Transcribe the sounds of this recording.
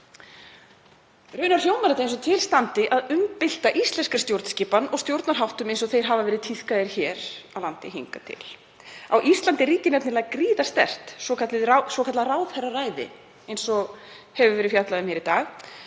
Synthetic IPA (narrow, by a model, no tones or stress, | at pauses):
rʏːnaɾ̥joːwmaɾɛt̪aejnsɔt̪ʰɪlst̪ant̪ɪʔaðʏmpɪl̥t̪aʔist̪lɛnskaɾ̥st̪jowɾt̪n̥sciːpanɔɣst̪jowɾt̪naɾɦawht̪ʏmẽjnsɔθejɾ̥ɦavavɛːɾɪðt̪ʰiθkaðɪɾ̥çɛːɾawlant̪ɪɦḭŋkat̪ʰɪ̰l | awʔist̪lant̪ɪriːcɪnɛp̪tnɪɾlaːɣakɾiːðast̪ɛ̰r̥t̪sɔkʰat̪lɪrasɔkʰat̪larawðhɛrːaraːjðɪ̰ | ejnsɔɣ | hɛvʏvɛːɾɪfjat̪laðʏmhɛɾit̪aːɣ